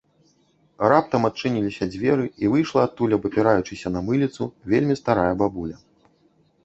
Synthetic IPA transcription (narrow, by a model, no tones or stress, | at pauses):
rap̚t̪ɐmat̪̚t͡ʂɨnʲilʲisʲɐd͡zʲvʲɛɾɨivɨjʂlˠɐːt̪ːulʲɐbɐpʲiɾajut͡ʂɨsʲɐnɐmɨlʲit̪suvʲelʲmʲist̪aɾajɐbabulʲɐ